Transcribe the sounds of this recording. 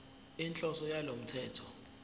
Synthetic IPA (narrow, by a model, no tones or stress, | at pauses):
int͡ɬʼɔsɔjalom̩tʰɛːtʰɔ̥